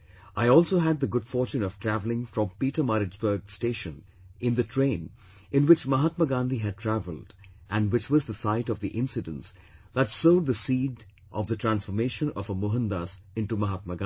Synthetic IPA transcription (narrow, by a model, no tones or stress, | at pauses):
ʔaɪɔːlˠsoːɦæd̪̚ðəɡʊdfɔɾt͡ʃũnɔv̥tʰɾ̥ævlɪ̃ŋfɾɔ̃mpiʈəmaɾɨd͡ʒbə˞ɡsteɪʃə̃n | ɪ̃nðɨtʰɹẽɪ̃n | ɪ̃nwɪt͡ʃmʌɦat̪̚məɡãnd̪iɦɨd̚tʰɹævəlˠd | ʔæ̃nwɪt͡ʃwʌzðəsaɪɾʌvðiʔɪ̃nsɨdə̃ns | ðætsoʊd̪̚ðəsiːd | ʔʌvðətʰɹæ̃nsfəmeɪʃə̃nɔ̰vəmʊɦə̃nd̪as | ɪ̃nʈumʌɦat̪̚məɡ̃